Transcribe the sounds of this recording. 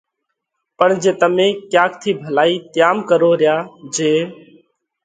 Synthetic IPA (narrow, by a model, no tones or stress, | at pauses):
pəɳd͡ʒeːt̪əmẽːkjaːkt̪ʰiːbʱəlaːiːt̪ɪjaːmkəɾoːɾɪjaːd͡ʒeː